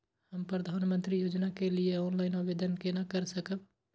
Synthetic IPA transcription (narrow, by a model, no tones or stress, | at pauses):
həmpɾəd̪ʱaːnmə̃nt̪ɾijoːd͡ʒnakelieɔːnlaːɪnoʋeːd̪ənkenakəɾsəkəb̚